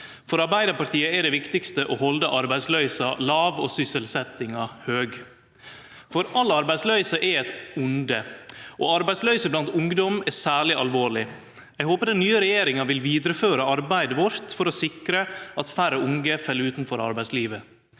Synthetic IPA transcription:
fɔɾɑɾbæɪd̪əpɑɾt̪iːəɛɖ̪ɛʋɪkt̪ɪkst̪əʔoːhɔld̪əʔɑɾbæɪslœʏsɑlɑːʋo̰ːsʏsəlsɛt̪ɪŋɑhøːɡ | fɔɾʔɑlːɑɾbæɪslœʏsəʔɛɛt̪ʊnd̪əʔoːɑɾbæɪslœʏsəblɑnt̪ʊŋd̪ɔmɛsæːɭɪʔɑlʋoːɭɪ | æɪɡhoːpəd̪ɛnyːəɾɛjeːɾɪŋɑʋɪlʋiːd̪ɾəføːɾəɑɾbæɪd̪əʋɔɾt̪fɔɾɔsɪkɾəɑt̪fæɾəʊŋɡəfɛlːʉːt̪nfɔɾɑ̰ɾbæɪsliːʋə

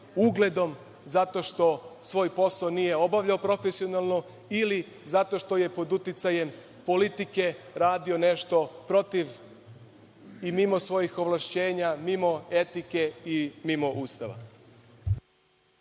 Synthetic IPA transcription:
uɡle̞d̪o̞m | zat̪o̞ʃt̪o̞sʋo̞ːjpo̞saonije̞o̞baʋʎaopɾo̞fesio̞nalˠno̞ | ili | zat̪o̞ʃt̪o̞je̞po̞d̪ut̪it̪saje̞m | po̞lit̪ike̞ɾaːd̪io̞ne̞ʃt̪o̞pɾo̞t̪iʋ | imimo̞sʋo̞jixo̞ʋlˠaʃt͡ɕe̞ːɲamimo̞e̞t̪ike̞imimo̞ʔuːst̪aʋa̰

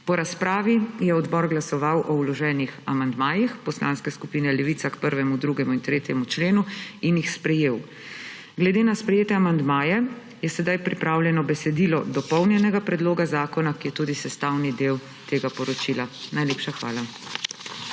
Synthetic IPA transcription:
pɔɾaspɾaːʋijɛɔd̪bɔɾɡlasɔʋawʔɔulɔʒɛːnixamand̪maːjixpɔsla̰ːnskɛskupiːnɛlɛʋiːt̪sakpəɾʋɛmud̪ɾuɡɛmuint̪ɾeːt̪jɛmut͡ʃleːnuinjixspɾɛjeːw | ɡlɛd̪eːnaspɾɛjeːt̪ɛamand̪maːjɛ | jɛsɛd̪ajpɾipɾaːwljɛnɔbɛsɛd̪ilɔd̪ɔpɔwnjɛnɛɡapɾɛd̪loːɡazaːkɔnakijɛt̪ud̪isɛst̪aːwnid̪eːw | t̪eːɡapɔɾɔt͡ʃiːlanajleːpʃaxʋa̰ːla

